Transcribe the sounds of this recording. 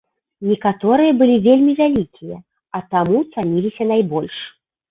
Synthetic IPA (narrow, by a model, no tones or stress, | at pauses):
nʲɛkat̪ɔɾɨjɐbɨlʲivʲelʲmʲivʲalʲikʲijɐ̰ | ɐt̪amut̪sanʲilʲisʲɐnajbɔlʲʂ